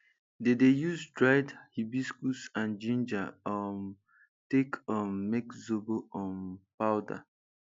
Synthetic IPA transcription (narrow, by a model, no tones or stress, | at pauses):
dedejuzdɹaɪdhibiskusãnd͡ʒĩnd͡ʒaɔm | tekʰɔ̃mmekzoboɔ̃npaʊda̰